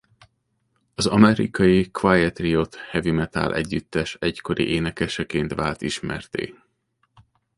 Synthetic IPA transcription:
ɒzɒmɛɾḭkɒjikvajɛt̪rio̞t̪hɛvimɛt̪a̰ːlʔɛ̰ɟːyt̪ːɛʃɛcko̞ɾḭʔeːnɛkɛʃɛkeːnt̪ʋaːlt̪iʃmɛ̰rt̪ḛː

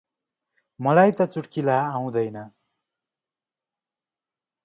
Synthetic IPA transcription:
mʌlajt̪ʌt͡suʈkilaːw̃d̪ʌjnʌ

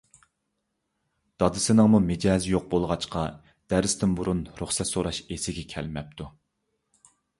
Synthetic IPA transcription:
d̪̥ɑd̪ɨsɪnɨŋmumed͡ʒɑːzɪjoq̚bolˠʁɑt͡ʃqʰɑ | d̪̥æɾɪst̪ʰɪnbuɾunɾuχsɛt̪soɾɑʃesɪɡʲɛkʲʰɛ̰lmɛp̚t̪ʰu

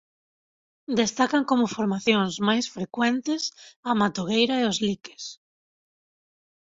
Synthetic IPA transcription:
d̪est̪akaŋkomʊfoɾmaθjoŋzmajsfɾekwɛnt̪ɪsɐmat̪oɣejɾaeozlike̥s

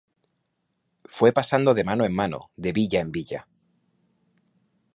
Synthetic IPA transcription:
fwe̞pasand̪o̞ð̞e̞manoe̞mːano̰ðe̞βiʎae̞mbiʎa

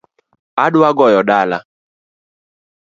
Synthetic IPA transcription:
aɖʊaɡɔjɔɖala̰

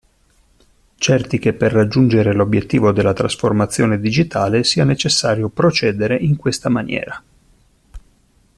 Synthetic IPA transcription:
t͡ʃɛrt̪ik̟epːerːad͡ʒːund͡ʒeɾelobjet̪ːiːvod̪elːat̪ɾasformat̪sːjoːned̪id͡ʒit̪aːlesiːanet͡ʃesːaːɾjopɾot͡ʃɛːd̪eɾeʔiŋkwest̪amanjɛ̰ːɾa

